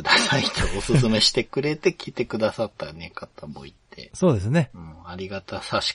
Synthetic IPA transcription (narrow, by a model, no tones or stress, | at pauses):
ɯd̪asait̪ʰoosɨsɨme̞ɕi̥t̪e̞kɯ̟ɾe̞t̪e̞kʲit̪e̞kɯ̟d̪asat̪ːanekat̪amo̰ḭt̪ʰːe̞̰soːd̪esɨne̞ɯ̃aɾʲiɡat̪asaɕi̥